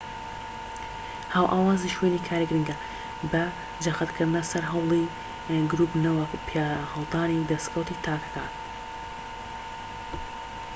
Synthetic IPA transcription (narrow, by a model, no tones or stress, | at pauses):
haːwʔaːwaːziʃweːniːkʰaːɾiɡɾɨŋɡɐ | bɐ | d͡ʒɐxɨt̪kʰɨɾd̪ɨnɐsɐɾɦɐwlˠi | ɡɾuːpnɐwɐupʰjaːhɐlˠd̪aːnid̪ɐst̪kʰɐwt̪iːt̪ʰaːkɐ̥kʰaːn